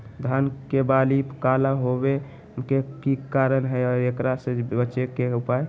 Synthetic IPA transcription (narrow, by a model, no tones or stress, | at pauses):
d̪ʱankebalipkalaɦobe | mkekikaɾənɦəjɔɾekɾasẽbət͡ʃekeupaj